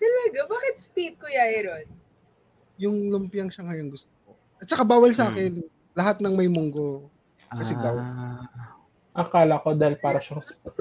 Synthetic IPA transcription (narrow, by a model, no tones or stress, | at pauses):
t̪ɐlɐɡabaːkɪt̪̚spit̪̚kʊjaʔɪɾon | jʊŋlʊmpɪjɐŋʃɐŋɐjɐŋɡʊst̪oko | ʔɐt̪̚t͡ʃːɐkabaːwɐlsɐʔaːkɛn | lɐɦat̪̚nɐŋmɐjmʊŋɡo̞ | kɐsɛɡaw̪ | ʔɐkaːlɐɐko̞d̪aːhɪlpaːɾɐʃasp